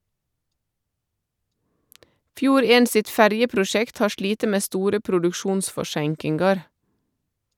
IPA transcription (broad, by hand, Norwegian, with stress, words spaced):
ˈfjuːɾ ˈeːn ˈsɪt ˈfæɾjəpɾʊˌʃɛkt ˈhɑː ˈʃɭiːtə ˈmeː ˈstuːɾə pɾʊdʉkˈʃuːnsfɔˌʃæŋkɪŋɡɑɾ